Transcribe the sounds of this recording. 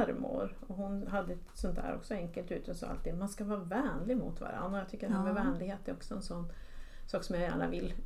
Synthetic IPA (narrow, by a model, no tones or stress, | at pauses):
ɾmʊ̰ɾɔɦʊnɦad̪ːəɛt̪sɔnt̪ʰæ̰ːɾʔɔ̰ksɔɛŋkəlt̪ʉ̟ːt̪əsɔ̰a̰lt̪ʰːiːd̪manskavɑːvɛːnlɪɡmʊ̰t̪va̰ɾa̰nd̪ɾaɔjat̪ʰʏkːəɾhɛmɛvɛːnlɪɡheːt̪ɛɾɔksɔɛnsɔnː | sɑːksɔmjajæ̰ːɳa̰vɪlː